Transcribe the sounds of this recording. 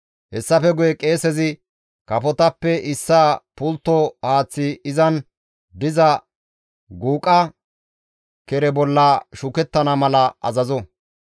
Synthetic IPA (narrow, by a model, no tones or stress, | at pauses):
hɛsːɐfɛɡʊjɛkʼe̞ːsɛzɪ | kɐfɔt̪ɐpːɛʔɪsːaːpʊlt̪ːɔhaːt͡sːɪɪzɐn | d̪ɪzɐ | ɡuːkʼɐ | kɛɾɛbɔlːɐʃʊkɛt̪ːɐnɐmɐlɐʔɐ̰zɐzɔ